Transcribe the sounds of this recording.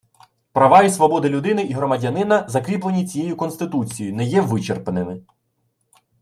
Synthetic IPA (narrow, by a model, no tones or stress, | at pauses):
pɾɐʋɑjisʋɔbɔd̪ɪlʲʊd̪ɪnɪʔiɦɾɔmɐdʲɐnɪnɐzɐkɾʲiplˠenʲit͡sʲijejʊkɔnst̪ɪt̪ut͡sʲijinɛjɛʋɪt͡ʃerpenɪmɪ